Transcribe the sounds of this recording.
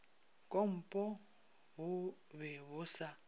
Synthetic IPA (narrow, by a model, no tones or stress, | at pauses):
kʼom̩pʼɔ | ɦʊ | βɛβʊsa